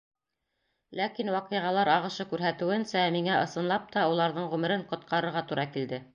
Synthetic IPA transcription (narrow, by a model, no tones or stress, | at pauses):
lækinwɑqɤ̆jʁɑlˠɑɾɑʁɤ̆ʃɤkʉɾɦæt̪ɘ̆wɘ̆nsæmiŋæʔɤ̆sɤ̆nlˠɑp̚t̪ɑulˠɑɾðɤɴʁʉmɘ̆ɾɘɴqŏt̪qʰɑɾɤ̆ɾʁɑt̪uɾɑkild̪ɘ